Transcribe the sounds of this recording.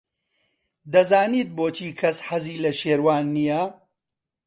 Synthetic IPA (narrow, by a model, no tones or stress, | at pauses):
d̪ɐzaːniːt̪̚boːt͡ʃʰiːkʰɐsħɐziːlɐʃeːɾwaːnːijɐ